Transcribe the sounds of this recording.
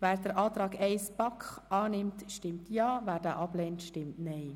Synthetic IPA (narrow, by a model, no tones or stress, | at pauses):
væːɾdəɾʔɑːt̪ɾɑːɡɛɪspɑkχɑːnɪmtʃtɪmtʰjɑːvæːɾdæ̰ːʔɑblɛːntʃtɪmtnɛɪ